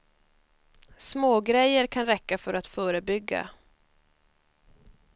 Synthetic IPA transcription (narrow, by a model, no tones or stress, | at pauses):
smoːɡɾɛjːəɾkʰanɾɛkːafœɾat̪fœːɾəbʏɡːa̰